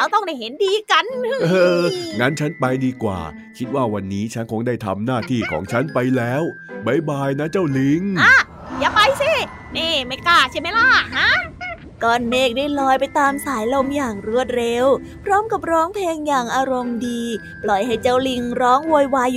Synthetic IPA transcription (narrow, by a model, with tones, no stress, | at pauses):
ɾa˦˥wt̪ɔ˥˩ŋda˥˩jɦe˨˦ndiː˧ka˧nʔːŋaː˧˥nt͡ɕʰa˦˥npa˧jdiː˧kwa̰ː˨˩ | kʰi˦˥t̪̚waː˥˩wa˧nːiː˦˥t͡ɕʰa˦˥nkʰo˧ŋdaː˥˩jt̪ʰa̰˧mnaː˥˩t̪ʰiː˥˩kʰɔ̰ː˩˦ŋt͡ɕʰa˦˥npa˧jlɛː˦˥w | ba˧˩jbaː˧jna˦˥t͡ɕa˥˩wli˧ŋa˧˥ | jaː˧˩pa˧jsi˧˥˩ | niː˧˥˩ma˥˩jkaː˧˩t͡ɕʰa˥˩ma˦˥jla˧˥˩ɦa˦˥ | kɔː˨˩nːeː˥˩k̚daː˥˩jlɔː˧jpa˧jt̪aː˧msaː˩˦jlo˧mjaː˨˩ŋɾu˧˩ət̪̚ɾe˧w | pʰɾɔː˦˥mka˨˩p̚ɾɔː˦˥ŋpʰleː˧ŋjaː˨˩ŋʔaː˧ɾo˧mdiː˧ | plɔ˨˩jɦa˥˩jt͡ɕa˥˩wli˧ŋɾɔː˦˥ŋwoː˧jwaː˧j